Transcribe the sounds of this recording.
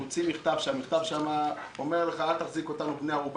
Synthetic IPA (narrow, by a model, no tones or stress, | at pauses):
ut͡simiχt̪avʃeamiχt̪avʃama | o̞meʁleχaalt̪aχziko̞t̪anubneaʁub